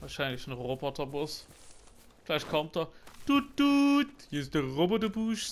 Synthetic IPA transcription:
vaːɐʃaɪnlɪçn̩ʁobɔtʰɐbʊs | fɪlaɪçtkʰɔmt̚dɐd̥ud̥utjusd̥əʁobədəbuːʃ

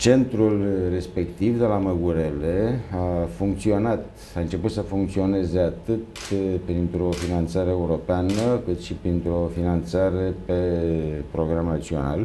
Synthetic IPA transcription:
t͡ʃe̞nt̪ɾulre̞spe̞kt̪ivd̪e̞laməɡuɾe̞le̞afuŋkt̪sio̞nat̪ | aɨnt͡ʃe̞put̪səfuŋk̚t̪sio̞ne̞ze̞at̪ɨt̪pɾint̪ɾo̞finant̪saɾeeuɾo̞peanəkɨt̪ʃipɾint̪ɾo̞finant̪saɾe̞pe̞pɾo̞ɡɾamnat͡ʃio̞̰na̰l

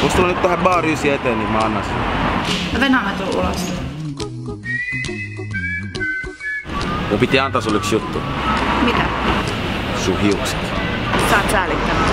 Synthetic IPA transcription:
kost̪ulːɑnyt̪t̪æhebɑːryːsieet̪enimɑnːɑsin̰ | ʋenhɑmet̪ulṵlɑ̰s | mumpit̪iɑnt̪ɑːsulːyksjut̪ːumit̪æ | suhiukset̪sɑ̰nsɑːt̪sæːlit̪ːæmæ

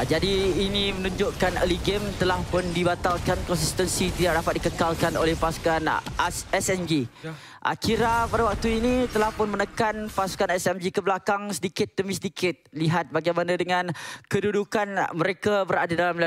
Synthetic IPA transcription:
d͡ʒadiːnĩmənũɲd͡ʒʊʔkanəliɡemt̪əlahpʊndibat̪alkankɔnsist̪ənsit̪idaʔ̚dapat̪̚dikəkalkanolɛhpasu̥kanɛsɛmd͡ʒi | ʔa̰kiɾapadawak̚t̪uinĩt̪əlahpʊnmənəkanpasu̥kanɛsɛmd͡ʒikəblakaŋsədikɪt̪ːəmisədikʰɪt̪̚liɦat̪̚baɡajmanãdəŋãnkədudukanməɾekabəɾadadalamla

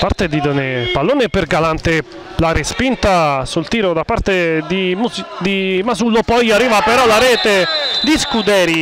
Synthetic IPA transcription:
paɾt̪ed̪id̪onepalːoːnepeɾɡalant̪e | laɾespint̪asult̪iːɾod̪apaɾt̪ed̪imud̪imasulːopɔjarːiːvapeɾɔlaɾɛːt̪ed̪iskud̪ɛːɾi

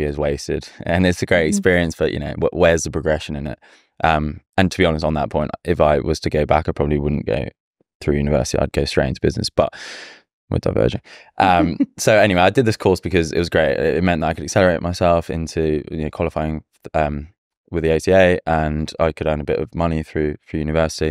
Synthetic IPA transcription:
ɪzweɪstɪ̰d̥ə̰̃nɪtsəɡ̥ɹeɪtɨkspɪəɹiə̃nsb̥əjʔɨ̰noʊw̰ʔwɛzðəpʰɹ̥əɡɹɛʃə̃nɪ̃nɪ̰t̚ | ʔʌ̃m | ə̃ntʰəbiɑnəs̬tn̩ðə̰ʔ̚pʰɔ̃ɪ̃nʔɪfaɪwʌz̥tʰəɡəʊba̰kaɪpʰɹɒbəbliwʊdⁿn̩ɡ̥o̰ʊ | θɹʉːjʉːnɪvɜ̰ˑsɪ̥tia̰ɪd̚ɡəʊstɹ̥eɪɪ̃ntʰəb̥ɪ̰znɪ̰sb̥ʌ̰ʔ | wɪ̰ðda̰ɪvɜ̰ːʒə̃nʔʌ̃msoʊɛñiweɪaɪdɨd̪̚ðɪskʰɔˑsb̥ɨkʰʌzɪ̰ʔ̚wʌzɡɹeɪtɪ̰ɪʔ̚mɛ̃nðətɾaɪkʰəɾɨksɛləɹeɪʔ̚maɪsɛlˠfɪ̰̃ntʰʉɨnəʊkʰw̥ɒlɪfaɪɪ̃ŋ | ʌ̃m | wɪðieɪsieɪʔə̃na̰ɪkʰəɾə̃ndəbɪtə̰vmʌniθɹʉθɹʉjʉːnɨvɜˑsɪ̥ti

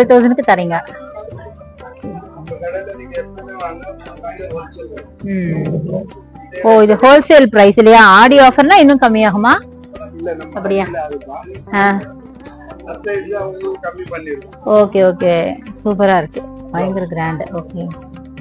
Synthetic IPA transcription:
lɪt̪oːðɐnɯkːɯt̪ɐɾɪŋɡɐ | oːɪðɯhoːlseːlpɾɐɪsɪlːɐjaːaːɽɪjaːfɐɾnãːɪnːɯ̃kɐmːiaːɣɐmaː | ɐpːɐɽɪjaː | ãː | ɐmːi | oːkeːoːkeːsuːp̬ɐɾaːɪɾɯkːɯbɐjɐŋɡɐɾɡɾaːɳɖoːkeː

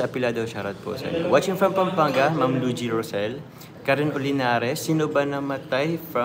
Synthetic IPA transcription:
ɐɐpɪlad̪owʃaɾɐt̪̚po̰sɛ̰nwat͡ʃɪŋfɾɐmpɐmpaŋɡɐmɐmlud͡ʒiɹɔsɛl | kɐɾɪnʔʊlɪnaːɾɛsːɪnʊbɐnɐmɐt̪ajfɾɐ

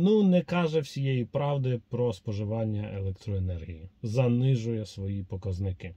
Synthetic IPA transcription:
nunɛkɑʒɛwsʲijejipɾɑwd̪ɪpɾɔspɔʒɪʋɑnʲːɐʔelˠɛkt̪ɾɔenɛrɦʲijizɐnɪʒʊjɛsʋɔjipɔkɐznɪkɪ

